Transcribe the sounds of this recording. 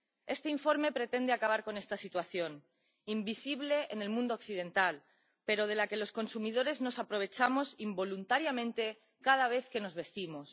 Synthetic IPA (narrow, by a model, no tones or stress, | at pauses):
e̞st̪eiɱfo̞ɾme̞pɾe̞t̪e̞nd̪eakaβ̞aɾko̞ne̞st̪asit̪waθjo̞n | imbisiβ̞le̞ʔene̞lmũnd̪okθið̞ẽ̞nt̪al | pe̞ɾo̞ð̞e̞lake̞lo̞sko̞nsumið̞o̞ɾe̞zno̞sapɾo̞β̞e̞t͡ʃamo̞simbo̞lunt̪aɾjamẽnt̪e̞ | kað̞aβ̞e̞θke̞no̞zβe̞st̪imos